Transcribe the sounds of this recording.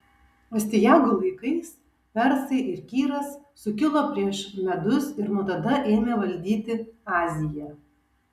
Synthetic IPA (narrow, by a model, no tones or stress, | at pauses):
oːsʲt̪ʲɪjæˑʊɡʊlˠɐɪkɐɪs | pʲɛɾsɐɪʔɪɾkʲiːɾɐsːʊkʲɪlˠoːpʲɾʲiɛʃmʲɛd̪ʊsɪɾnut̪ɐd̪ɐʔɛːmʲeʋɐlʲd̪ʲiːt̪ʲɪɑːzʲɪjɛ